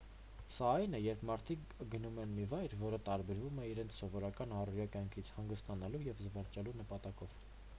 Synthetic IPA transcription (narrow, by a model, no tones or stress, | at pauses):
sɑɑjnɛjɛɾpʰmɑɾt̪ʰik | ɡənumɛnmivɑjɾvɔɾət̪ɑɾbɛɾvumɛiɾɛnt͡sʰsɔvɔɾɑkɑnɑruɾjɑkjɑŋkʰit͡sʰhɑŋɡəst̪ɑnɑlujɛvzəvəɾt͡ʃɛlunəpɑt̪ɑkɔv̥